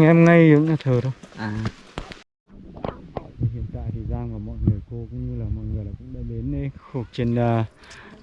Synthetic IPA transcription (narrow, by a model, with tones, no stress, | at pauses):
ŋʔɛ˧mŋa˧jzɨ̰˧˥ŋ͡ma˧˩t̪ʰəː˨˩ɗə˧wʔaː˨˩˧ | a˨˧˨t̪ːhḭ˧˨ənt̪a̰ː˧˨jt̪ʰi˨˩zaː˧ŋka˧˩mɔ̰˧˨jŋɨ˨˩əjko˧kʊ̰˧˥ŋ͡mɲɨ˧laː˨˩mɔ̰˧˨jŋɨ˨˩əjlaː˨˩kʊ̰˧˥ŋ͡mɗa̰ː˧˩ɗe˨˦nɗə˨˦xo˧˩k̚t͡ɕe˧nː˧